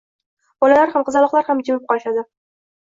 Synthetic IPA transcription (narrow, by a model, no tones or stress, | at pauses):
b̥ɒlalaɾhamqʰɨzɑalˠɒqlˠaɾhamd͡ʒɪmɪp̚qɒlɪʃad̪ɪ